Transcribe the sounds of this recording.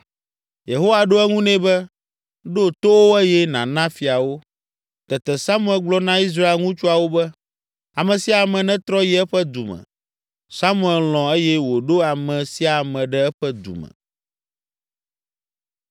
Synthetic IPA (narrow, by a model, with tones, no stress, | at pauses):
je˨ɦo˦wa˨ɖo˦ɛ˦ŋũ˦nɛ̃˦bɛ˦ | ɖo˦t̪o˦wo˦ɛ˦jɛ˦nã˨nã˦fi˨a˨wo˦ | t̪ɛ˨t̪ɛ˨sa˦mũ˦ɛ˨lɡ͡blɔ˦nã˦i˦s̬ɾa˦e˦lŋũ˦t͡ʃu˦a˨wo˦bɛ˦ | a˨mɛ̃˨si˦a˨mɛ̃˨nɛ̃˦t̪ɾɔ˦jɛ˨˦ɛ˦ɸɛ˦d̪u˨mɛ̰̃˨ | sa˦mũ˦ɛ˨llɔ̃˨ɛ˦jɛ˦wo˨ɖo˦a˨mɛ̃˨si˦a˨mɛ̃˨ɖɛ˦ɛ˦ɸɛ˦d̪ṵ˨mɛ̰̃˨